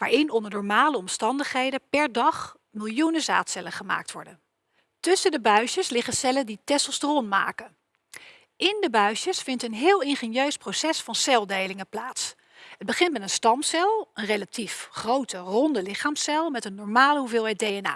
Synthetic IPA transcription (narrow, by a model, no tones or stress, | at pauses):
ʋaːɹɪnɔndəɹnɔːɹmaːləɔmstɑndəχɦejdəpɛɹdɑχ | mɪlˠjunəza̰ːtsɛləχəma̰ːk̚tʋɔ̰ɹdən | tɵsəndəbœɥʃəslɪχəsɛləditɛsəl̩ˠstərɔnma̰ːkən | ʔɪndəbœɥʃəsfɪntənɦɪːlˠɪnχenjøɥsprowsɛsfɑnsɛlˠdejlɪŋəplaːts | ɦəd̚bəχɪntmɛtənstɑmsɛlˠənrejlatifχrowtərɔndəlɪχaːmsɛlˠmɛtənːɔɹmaːləɦuvɪːlˠɦɛjt̚dejɛna̰ː